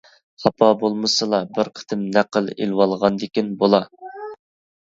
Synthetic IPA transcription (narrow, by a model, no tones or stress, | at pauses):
χɑpʰɑbolˠmɨsɨlˠɑbɪɾqʰə̥t̪ʰɪmnæqəlˠḛlwɑlˠʁɑnd̪ɪkʲinbolˠɑ